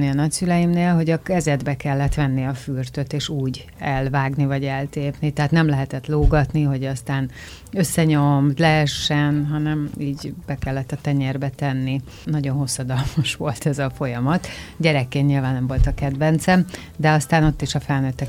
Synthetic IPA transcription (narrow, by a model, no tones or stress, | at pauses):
niɒnɒcsylɛjimneːlɦo̞ɟɒkɛzɛd̪bɛkɛlːɛt̪ʋɛnːiɒfyrt̪øt̪eːʃuːɟ | ɛlvaːɡnivɒɟɛlt̪eːpnit̪ɛɦaːt̪nɛmlɛɦɛt̪ɛt̪loːɡɒt̪niɦo̞ɟɒst̪aːn | ø̞sːɛɲomt̪lɛɦɛʃːɛnɦɒnɛmiːɟbɛkɛlːɛt̪ːɒt̪ɛɲɛrbɛt̪ɛnːi | nɒɟo̞nɦo̞sːɒd̪ɒlmɒʃʋo̞lt̪ɛzɒfo̞jɒmɒt̪ɟɛɾɛkːeːnɲilvaːnnːɛmvo̞lt̪ɒkɛd̪vɛnt̪sɛm | d̪ɛɒst̪aːno̞t̪ːiʃɒfɛlnøt̪ːɛ